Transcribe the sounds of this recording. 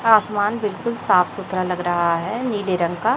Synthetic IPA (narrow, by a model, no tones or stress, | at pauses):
aːsmaːnbɪlkʊlsaːfʰsʊt̪ɾalɐɡɾɐɦaɦɛniːleɾə̃ŋɡka